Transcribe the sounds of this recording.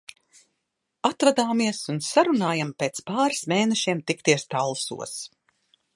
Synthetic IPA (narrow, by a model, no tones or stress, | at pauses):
at̪vad̪aːmiɛsunsaɾunaːjampeːt̪spaːɾsmeːnɛʃiɛmt̪ikt̪iɛst̪alˠsṵɔs